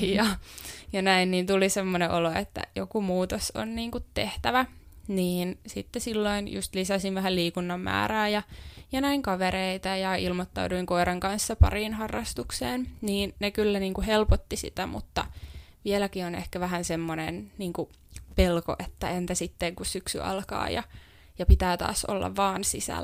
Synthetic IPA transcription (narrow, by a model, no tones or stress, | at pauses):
jɑjɑnæinniːnt̪ulisemːoneʔoloet̪ːæ̰jo̰kumuːt̪oso̰nniːŋkut̪teht̪æʋæ | niːnsit̪ːesilːoinjṵst̪lisæsinʋæhæliːkunːɑmmæ̰ːɾæːjɑjɑnæiŋkɑʋeɾeit̪ɑjɑilmot̪ːɑ̰uduiŋkoiɾɑŋkɑnsːɑpɑ̰riːnhɑrːɑst̪ukseːnniːnnekylːæniːŋkuhelpot̪ːisḭt̪æmṵt̪ːɑ | ʋielækionḛhkæʋæɦænsemːonḛnniːŋku | pelko̰ʔet̪ːæent̪æsit̪ːeŋkussyksy̰ɑ̰lkɑ̰ːjɑ̰ | jɑpit̪æːt̪ɑ̰ːso̰lːɑ̰ʋʋɑːnsisæ̰l